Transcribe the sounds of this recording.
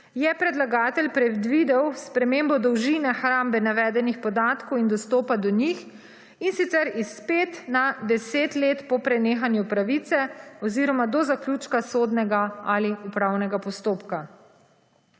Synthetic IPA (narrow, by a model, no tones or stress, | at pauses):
jɛpɾɛd̪laɡaːt̪ɛlpɾɛd̪ʋid̪ɛwspɾɛmembɔd̪ɔwʒinɛxɾaːmbɛnaʋɛːd̪ɛnixpɔd̪aːt̪kɔwind̪ɔst̪oːpad̪ɔɲix | insit̪sɛɾispeːt̪nad̪ɛseːt̪leːt̪pɔpɾɛneːxanjupɾaʋit̪sɛɔziːɾɔmad̪ɔzaklʲut͡ʃkasoːd̪nɛɡaaliupɾawnɛɡapɔst̪oːpka